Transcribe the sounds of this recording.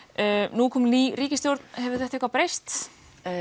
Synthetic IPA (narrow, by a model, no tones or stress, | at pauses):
nukʰɔːmliɾiːcɪst̪jowɾt̪nhɛvʏɾθɛht̪aɛhkvawpɾejst̪